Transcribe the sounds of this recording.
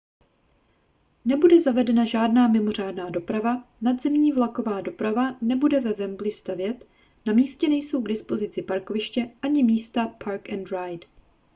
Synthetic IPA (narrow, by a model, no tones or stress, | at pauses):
nɛbudɛzavɛdɛnaʒaːdnaːmɪmo̞raːdnaːdo̞pɾavanadzɛmɲiːvlako̞vaːdo̞pɾavanɛbudɛvɛvɛmblɪst̪avjɛt̪ | namiːscɛnɛjso̞wɡdɪspo̞zɪt͡sɪpaɾko̞vɪʃcɛʔaɲɪmiːst̪apʰaɾkɛnd̪ɾajt